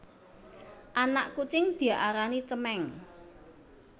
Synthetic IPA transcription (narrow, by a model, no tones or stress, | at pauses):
ʔanaʔkut͡ʃɪŋd̪̥i̤aʔaɾanit͡ʃəmɛŋ